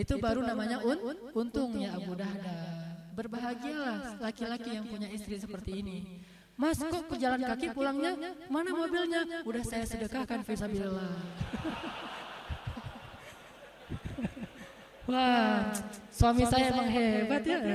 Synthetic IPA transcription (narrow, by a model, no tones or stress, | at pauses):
it̪ubaɾunamaɲaʔʊn | unt̪ʊŋjabudahdabərbaɦaɡialahlakilakijaŋpuɲaist̪ɾisəpərt̪iːni | maskɔʔkəd͡ʒalankakipulaŋɲamanamobilɲaudahsajasədəkakanfisabilːah | wa | suamisajaemaŋɦebat̪ja